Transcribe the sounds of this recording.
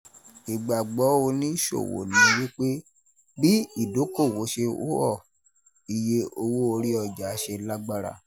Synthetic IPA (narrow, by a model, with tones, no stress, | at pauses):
i˨ɡ͡ba˨ɡ͡bɔ˨˦o˧nĩ˦ʃo̰˦˨wo̰˨nĩ˨˦˧wi˦k͡pe˦ | bi˦i˦˨do˨˦ko˦˨wo˨˦ʃe˧o̰˦ɔ˦˨ | i˨je˦o˧wo˦o˧ɾi˦ɔ˧d͡ʒa˨˦ʃe˧la˦ɡ͡ba˦˧ɾa̰˧˨